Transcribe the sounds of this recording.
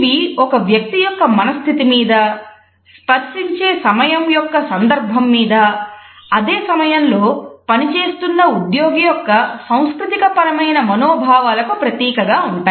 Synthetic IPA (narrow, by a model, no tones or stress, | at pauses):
ʋiɔkɐʋjɐk̚t̪ijɔkːɐmɐnɐst̪ʰit̪imiːd̪ɐ | spɐɾʂiɲt͡ʃe̞ːsɐmɐjɐmjɔkːɐsɐnd̪ɐɾbʱɐmːiːd̪ɐ | ɐd̪eːsɐmɐjɐnlo̞ːpɐnit͡ʃe̞ːst̪unːɐud̪jo̞ːɡijɔkːɐsɐ̃w̃skɾut̪ikɐpɐɾɐmɐjnɐmɐnoːbʱaːʋaːlɐkupɾɐt̪iːkɐɡaːuɳʈaː